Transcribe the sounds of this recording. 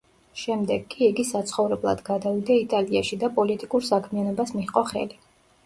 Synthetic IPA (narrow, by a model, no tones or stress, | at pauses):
ʃɛmd̪ɛɡːiiɡisat̪sʰχɔvɾɛblˠa̰d̪ɡad̪avid̪ait̪ʼaliaʃid̪apʼɔlit̪ʼikʼuɾsakʰmianɔbasmiχqʼɔχɛ̰li